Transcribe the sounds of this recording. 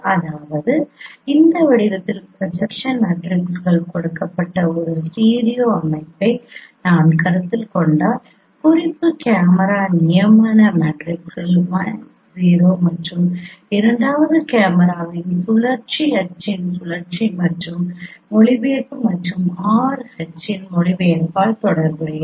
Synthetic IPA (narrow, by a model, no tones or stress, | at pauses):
ɐðaːʋɐðɯɪnd̪ɐʋɐɽɪɾɐt̪ːɪlpɾɐsɐkʂɐnmeːʈɾɪksɣɐɭkɔɽɯkːɐpːɐʈːɐɔɾɯsʈiːɾijoːɐmɐɪpːɐɪnaːnkɐɾɐt̪ːɪlkɔɳɖaː | kʊɾɪpːɯkaːmɐɾaːnɪjɐmaːnɐmeːʈɾɪkɣɐɭmɐn | ziːɾoːmɐʈrɯmɪɾɐɳɖaːʋɐðɯkaːmɐɾaːʋɪnsʊɭɐɾt͡ʃiɐʈ̚t͡ʃːɪnsʊɭɐɾt͡ʃimɐʈrɯmɔɭɪʋeːʈːɯmɐʈrɯmaːɾɐʈ̚t͡ʃɪnɔɭɪʋejɐnpaːlt̪ɔɽɐɾɣɐɐj